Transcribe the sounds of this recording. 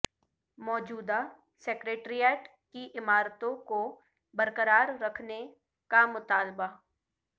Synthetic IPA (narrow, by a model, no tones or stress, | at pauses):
mɔːd͡ʒuːd̪a | seːkɾeːʈɾijɛːʈ | kiʔɪmaːɾt̪õko | bəɾkəɾaːɾːɐkʰne | kamʊt̪aːlba